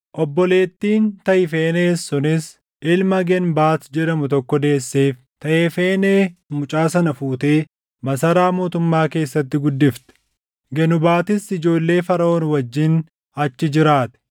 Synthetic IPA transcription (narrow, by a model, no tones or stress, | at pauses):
ʔɔbːɔle̞ːt̪ːiːnt̪ɐʔɪfeːneːsːʊnɪs | ʔɪlmɐɡɛnbaːt̪d͡ʒɛɾɐmʊt̪ɔkːɔd̪e̞ːsːe̞ːf | t̪ɐʔeːfe̞ːneːmʊt͡ʃʼaːsɐnɐfuːt̪e̞ː | mɐsɐɾaːmoːt̪ʊmːaːke̞ːsːɐt̪̬ːɪɡʊd̪ːɪft̪ɛ̥ | ɡɛnʊbaːt̪ɪsɪd͡ʒo̞ːlːe̞ːfɐɾɐoːnwɐd͡ʒːɪn | ɐt͡ʃːɪd͡ʒɪɾaːt̪ɛ̥